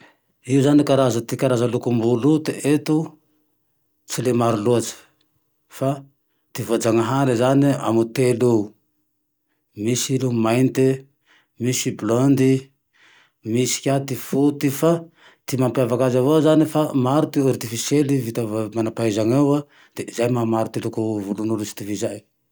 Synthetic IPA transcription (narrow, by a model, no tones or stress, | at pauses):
iuzanikaɾazat̪ikaɾazalukumbulut̪eʔet̪u | t͡silemaɾuluat͡sə̥ | fa | t̪ivoad͡zaŋaɦaɾizania̰mut̪elu | misilumajnt̪i | misiblɔnd̪i | misi̥kʲat̪ifut̪ifa | t̪imampavakazavozanifamaɾut̪iaɾt̪ifiselivit̪avmanapaezaŋawa | d̪̥ezajmamaɾut̪ilukuvulunulusi̥t̪ivizaj